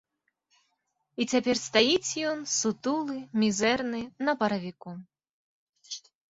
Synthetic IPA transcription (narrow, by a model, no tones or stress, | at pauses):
it͡sʲapʲɛrst̪ajit͡sʲjɔnsut̪ulˠɨmʲizɛrnɨnɐpɐɾɐvʲiku